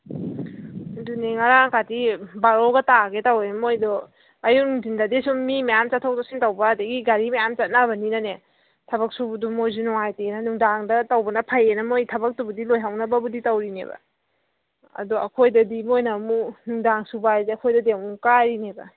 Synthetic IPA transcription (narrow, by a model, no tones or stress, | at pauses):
duniŋaɾaŋkatibaɾoɡɐtaɡetawenmojdɔ | ɐjuŋzindadesummːimajamt͡ʃatʰːawtɔsiŋtawbɐːdeɡiɡaɾimajamt͡ʃat̚nabɐninane | tʰɐbɐk̚subudumojz̬unɔŋajtenɐnuŋdaŋdɐtawbɐnɐpʰajenɐmojtʰɐbɐk̚tubudilojɦawnɐbɐbuditawɾinḛbɐ̰ | ɐ̰dɔɐ̰kʰojdɐdimojnɐmunuŋdaŋsubajzeɐkʰojdɐdeŋuŋkaɾinebɐ̰